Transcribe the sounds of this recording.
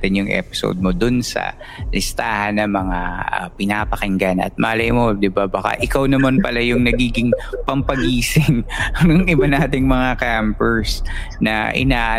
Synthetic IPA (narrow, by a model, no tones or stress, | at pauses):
t̪ɪnjʊŋʔɛ̰pɪ̥so̰d̪̚mod̪ʊnsɐ̰ | lɪst̪aːhɐnːɐmɐŋa̰pɪnaːpɐkɪŋɡanɐ̰t̪̚maːlɐjmo̞d̪ɪbabaka̰ʔɪkawnɐmanpɐlajʊŋnɐɡiːɡɪŋpɐmpɐɡʔiːsɪŋnʊŋʔɪbɐnaːt̪ɪŋmɐŋakampɛɹs | nɐ̰ʔɪ̰naːʔɐ